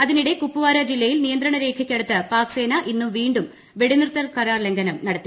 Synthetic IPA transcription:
ɐðiniɽe̞kupːuʋaːɾɐd͡ʑilːɐjilnijɐnd̪ɾɐɳɐɾe̞ːkʰɐkʲːeɽut̪ːɨpaːkse̞ːnɐʔinːumʋiːɳɖum | ʋe̞ɽinrt̪ːɐlkɐɾaːrle̞ŋɡɐnɐmnɐɽɐt̪ːi

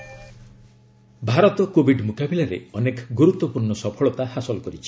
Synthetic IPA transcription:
bʱaɾɔt̪ɔkobʱiɖmukabilaɾḛɔnekɔɡuɾut̪ːɔpuɾɳɔsɔpʰɔɭɔt̪ahasɔlkɔɾit͡ʃʰi̥

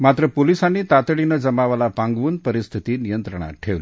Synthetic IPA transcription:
mat̪ɾəpolisanːit̪at̪ɽinəd͡zəmaʋalapaŋɡʋuːnpəɾist̪ʰit̪inijənt̪ɾəɳ̃a̰ʈʰeʋli

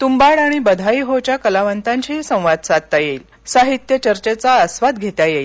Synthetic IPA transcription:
t̪umbaɽaɽ̃ibəd̪ʱaiɦot͡ɕjakəlaʋənt̪aɲt͡ɕisə̃w̃ʋad̪̚sad̪̚t̪ajeiːl | saɦit̪jət͡ɕəɾt͡ɕet͡saəsʋad̪ɡʱet̪jajeːl

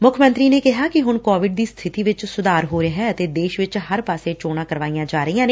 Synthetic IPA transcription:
mʊkʰmə̃nt̪ɾiːneːkɪɦaːkɪɦʊnkoːʋɪɖ̚d̪iːst̪ʰɪt̪iːʋɪt͡ʃsʊd̪aːɾɦoːɾɦɛːət̪eːd̪eːʃʋɪt͡ʃhəɾpaːseːt͡ʃoːɽãːkəɾʋaːijãːd͡ʒaːɾəijãːne

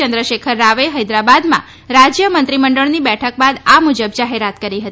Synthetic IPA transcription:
ənd̪ɾəʃekʰəɾːaʋeɦəjd̪ɾabad̪mã̰ | ɾad͡ʒjəmənt̪ɾiməɳɖəɭnibɛʈʰək̚bad̪amud͡ʒəbd͡ʒaɦeɾat̪kəɾiɦət̪i

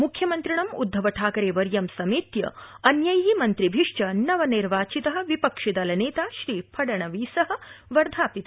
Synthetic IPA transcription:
mukʰjɐmɐnt̪ɾiɳɐmṵd̪ʱːɐʋɐʈʰaːkɐɾeːʋɐɾjɐmsɐmiːt̪jɐ̰ɐnjɐjimɐnt̪ɾibʱiʂt͡ʃɐnɐʋɐniɾʋaːt͡ʃit̪ɐɦɐ̆ʋipɐkʂid̪ɐlɐneːt̪aːʃɾiːpʰɐɽɐɳɐʋiːsɐɦɐ̆ʋɐɾd̪ʱaːpit̪a

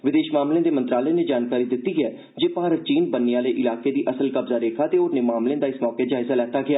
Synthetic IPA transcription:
ʋɪd̪eːʃmaːmlẽːd̪eːmənt̪ɾaːləjãned͡ʒaːnkaːɾiːd̪ɪt̪ːiːɦɛː | d͡ʒeːpaɦaːɾət͡ʃiːnbənːɪjãːləiʔɪlaːkeːd̪iːʔəsəlkəbzaːɾeːkʰaːt̪eːoːɾnẽːmaːmlẽːd̪aːɪsmɔːkeːd͡ʒaːɪzaːlɛːt̪aːɡɪaː

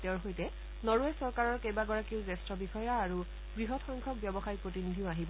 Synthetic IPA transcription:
tɛɹɦojtɛ | nɔɹuɛsɔɹkaɹɔɹkejbaɡɔɹakiʊzɛstɹɔbixɔjaːɹu | ɡɹiɦɔtxɔŋkʰɔk̚bjɔbɔxajpɹotinidʱiʊaɦibɔ

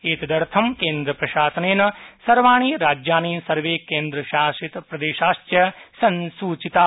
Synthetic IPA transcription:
eːt̪ɐd̪ɐɾt̪ʰɐmkeːnd̪ɾɐpɾɐʃaːsɐneːnɐsɐɾʋaːɳ̃iːɾaːd͡ʒjaːniːnsɐɾʋeːkeːnd̪ɾɐʃaːʃit̪pɾɐd̪eːʃaːʃtjɐsɐnsuːt͡ʃit̪aː

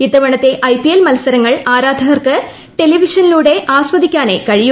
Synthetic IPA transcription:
it̪ːɐʋɐɳɐt̪ːe̞ʔɐjpijelmɐlɐsɐɾɐŋːɐɭaːɾaːd̪ʱɐɣɐrkɨ | ʈe̞liʋiʂɐniluːɽe̞ʔaːsʋɐd̪ikʲːaːne̞̰kɐɻiju

